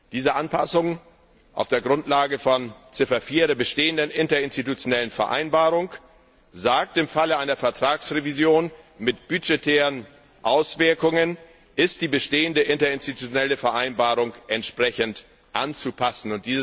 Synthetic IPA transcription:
d̥iːzəʔanpʰa̰sʊŋ | ʔa̰ʊfd̥eːɐɡʁʊntlaːɡəfɔnt͡sɪfɐfiːɐdeːɐbəʃteːəndənɪntɐɪnstitut͡sjonɛlənfɛɐʔa̰ɪnbaːʁʊŋ | zaːk̚tɪmfaləʔaɪnɐfɛɐtʁ̥aːksʁevizjoːnmɪtb̥yd͡ʒetʰeːʁən | ʔaʊsv̥ɪɐkʊŋən | ʔɪst̚d̥iːbəʃteːəndəʔɪntɐɪnstitut͡sjonɛləfɛɐʔaɪnbaːʁʊŋʔɛntʃpʁ̥ɛçənt | ʔant͡supʰasn̩ʊnt̚d̥iːzə

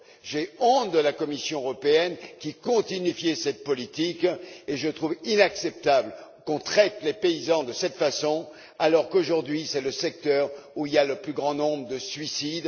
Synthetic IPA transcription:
ʒeɔ̃t̪d̪əlakɔmisjɔ̃əʁɔpeɛnkʲikɔ̃t̪inifjɛsɛt̪̚pɔlit̪ikeʒət̪χuvinaksɛp̚t̪ablkɔ̃t̪χɛt̪lepeizɑ̃d̪əsɛt̪fasɔ̃ | alɔʁkoʒuʁd̪ɥisɛləsɛk̚t̪œʁuiljaləplyɡʁɑ̃nɔ̃bʁəd̪əsɥisid̪

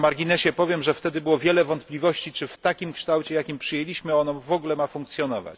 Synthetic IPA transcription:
maɾɡʲinɛɕɛpɔvʲjɛmʐɛft̪ɛd̪ɘbɘwɔvʲjɛlɛvɔnt̪plʲivɔɕt͡ɕit͡ʂɘft̪akʲimkʂt̪awt͡ɕɛjakʲimpʂɘjɛlʲiɕmɘɔnɔvɔɡulɛmafũŋkt̪sʲjɔnɔva̰t͡ɕ

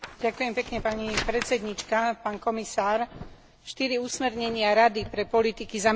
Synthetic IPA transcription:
ɟakujɛmpɛkɲɛpaɲipɾɛt͡sɛd̪ɲit͡ʃkapaːnkɔmisaːɾ | ʃt̪iɾiusmɛɾɲɛɲɪaɾad̪ipɾɛpɔlit̪ikizam

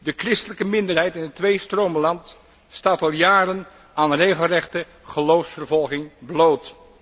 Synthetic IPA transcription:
dəkrɪstələkəmɪndərɦɛjtɪnɦətʋejstroːməlɑnt | staːtɑlˠjaːrən | aːnrejχəlˠrɛχtə | χəlowfsfərvɔlˠχɪŋblowt

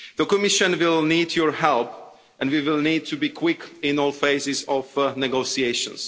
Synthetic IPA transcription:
ðəkɔmiʃə̃nwɪlˠnidjɔɹhɛlˠp | ʔɛ̃nwiwɪlˠniːd̚tʰubikʰwɪkɪ̃nɔlˠfeɪzɪzɔvnɛɡosieɪʃə̰̃ns

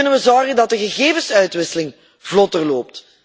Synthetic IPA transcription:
ɵnənʋəzɔːɣədɑt̚dəɣəɣeːvəsœɥtʋɪsəlɪŋ | v̥lɔtərloːp̚t

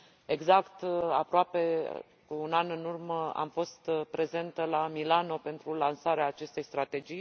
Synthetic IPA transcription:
e̞ɡzakt̪a̰pɾoape̞ | unanɨnurməa̰mfo̞st̪pɾe̞ze̞nt̪əlamilano̞pe̞nt̪ɾulansaɾeaːt͡ʃe̞st̪e̞jst̪ɾat̪e̞d͡ʒij

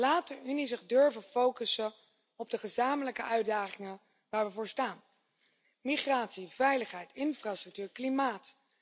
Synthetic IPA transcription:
laːtəynizɪχdøɹvəfowkəsə | ɔb̚dəχəzaːmələkəʔœɥdaːχɪŋə | ʋaːɹʋəvʊːɹstaːn | miχraːtsivɛjləχɦɛjtɪnfraːstrɵk̚tyːɹklimaːt

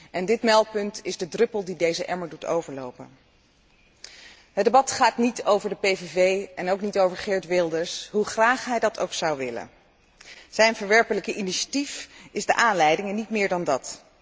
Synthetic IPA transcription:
ʔɛndɪtmɛlˠt̚pɵntɪzdədrɵpəlˠdidejzəʔɛ̰ɹməɹdutʰo̰wvəɹlo̰wpə̰n | ɦədebɑtχaːtnitowvəɹdəpejvevejɛnowknitowvəɹχɪɹtʋɪlˠdəɹsɦuχraːχɦɛjdɑtʰo̰wksɑwʋɪlə̰n | z̥ɛjnvəɹʋɛɹpələkəʔiniʃatifɪzdəʔaːnlɛjdɪŋənːitmɪːɹdɑndɑt

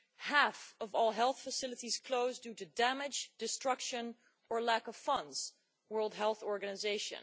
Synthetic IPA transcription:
hæfʌvɔlˠɦɛlˠθfəsɪlˠətiz̥kʰl̥oʊzdʉɾɨdæmɪd͡ʒd̥ɨstɹ̥ʌkʃɨ̃n | ə˞lækʌv̥fʌ̃ndz̥ | wɜ˞lˠd̚ɦɛlˠθɔɹɡɨnɨzeɪʃɨ̰̃n

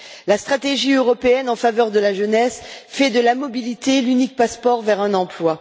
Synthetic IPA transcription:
last̪χat̪eʒiøʁɔpeɛnɑ̃favœʁd̪əlaʒənɛsfɛd̪əlamɔbilit̪elynik̚paspɔʁvɛʁɛ̃nɑ̃plwa

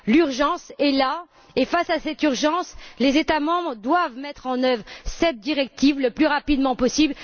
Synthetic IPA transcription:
lyʁʒɑ̃sɛla | efasasɛt̪yʁʒɑ̃slezet̪amɑ̃bʁd̪wavmɛt̪χɑ̃nœvʁsɛt̪̚d̪iʁɛk̚t̪ivləplyʁapid̪mɑ̃pɔsibl

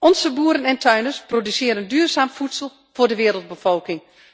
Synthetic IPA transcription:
ʔɔnzəbuːəɾənɛntʰœɥnəsprodysɪːɾəndyːrzaːmfutsəlˠ | vʊːrdəʋɪːɾəlˠd̚bəfɔlˠkɪŋ

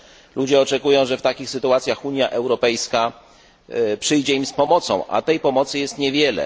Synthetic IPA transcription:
lud͡ʑɛɔt͡ʂɛkujɔ̃w̃ʐɛft̪akʲixsɘt̪uat̪sʲjaxuɲjaʔɛwɾɔpɛjska | pʂɘjd͡ʑɛimspɔmɔt̪sɔ̰̃w̃ʔa̰t̪ɛjpɔmɔt̪sɘjɛst̪ɲɛvʲjɛlɛ̰

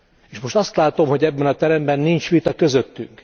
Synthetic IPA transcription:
eːʃmo̞ʃt̪ɒst̪laːt̪o̞mho̞ɟɛbːɛnɒt̪ɛɾɛmbɛnːint͡ʃʋit̪ɒkø̞zøt̪ːyŋk

